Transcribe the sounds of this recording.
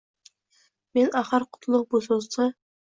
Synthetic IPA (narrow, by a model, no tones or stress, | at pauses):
menæχəɾqʰʊ̥t̪ʰlˠʊq̚busozt̪ʰə